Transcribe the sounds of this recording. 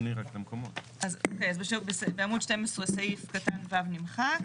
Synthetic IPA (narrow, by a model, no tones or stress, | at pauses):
niʁaket̪amkomot | azokejazbeʃubesbeamudʃtemesʁesaifkatanvavnimχak